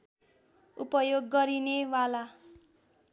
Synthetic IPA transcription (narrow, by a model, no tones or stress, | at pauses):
upʌjoɡːʌɾinewala